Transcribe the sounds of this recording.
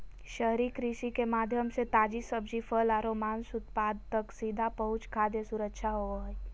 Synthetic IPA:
ʃəɦɾikɾɪʃikemaːd̪ʱjəmset̪aːd͡ʒisəbd͡ʒifʰəlaːɾomaːnsʊt̪paːd̪̚t̪əksiːd̪ʱapəɦʊt͡ʃkʰaːd̪jesʊɾəkʃʰaɦoəɦ

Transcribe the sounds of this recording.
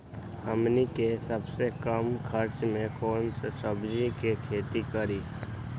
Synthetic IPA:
həmnikesəbsekəmkʰəɾt͡ʃmẽkɔːnsesəbd͡ʒikekʰeːt̪ikəɾiː

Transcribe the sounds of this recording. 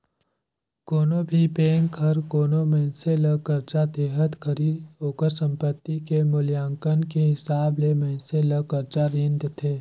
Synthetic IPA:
koːnobʱipeːŋʰəɾkoːnomɛ̃ɦseləkəɾt͡ʃat̪eːɦət̪kʰəɾiːd̪ɦoːkəɾsə̃mpət̪ːikemʊljãːŋkənkeɦɪsaːblemɛɦɪ̃nseləkəɾt͡ʃaɾɪ̃nd̪t̪ʰeː

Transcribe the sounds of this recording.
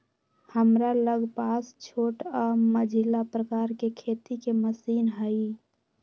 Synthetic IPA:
həmɾaləɡpast͡ʃʰoːʈəməd͡ʒʱilapɾəkaːɾkekʰet̪ikeməsiːnɦəi

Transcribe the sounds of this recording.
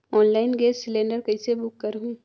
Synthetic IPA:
ɔːnlaːɪnɡeːssɪlẽːɳɖəɾkɐisebʊkːɐɾɦuĩː

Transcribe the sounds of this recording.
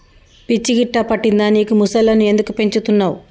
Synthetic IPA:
pit͡ʃːiɡiʈːɐpɐʈːind̪aːniːkumusɐlːɐnue̞nd̪ukupe̞ɲt͡ʃut̪unːaːw

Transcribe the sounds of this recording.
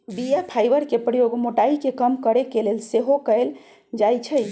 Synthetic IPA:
bijapʰajbəɾkepɾəjoɡmoʈaikekəmkəɾekelelseɦokəɪl | d͡ʒajt͡ʃʰəj

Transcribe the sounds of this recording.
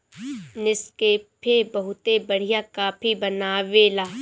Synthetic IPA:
nɪskeːpʰebɐɦʊt̪ebɐɽ̤ijakaːpʰibɐnaːʋeːlaː

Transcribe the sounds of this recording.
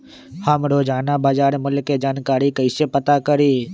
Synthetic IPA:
həmɾoːd͡ʒaːnabaːd͡ʒaːɾmʊlkːed͡ʒaːnkaːɾikəɪsepət̪akəɾiː

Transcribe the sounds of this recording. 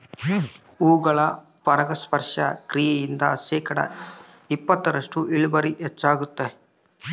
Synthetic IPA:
uːɡɐɭɐ | pɐɾɐɡɐspɐɾʂɐ̰kɾijɛjind̪ɐ̰ʃɛːkɐɽɐ̰ | ipːɐt̪ːɐɾɐʂʈuʔiɭubɐɾiʔet͡ʃːaːɡut̪ːe

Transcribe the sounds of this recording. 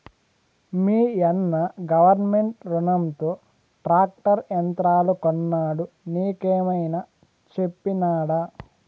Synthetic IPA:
miːɐnːɐɡɐʋɐɾnmeɳʈɾunɐmt̪oː | ʈɾaːk̚ʈɐɾjɐnt̪ɾaːlukonːaːɽu | niːkeːmɐjnɐ | t͡ʃe̞pːinaːɽaː

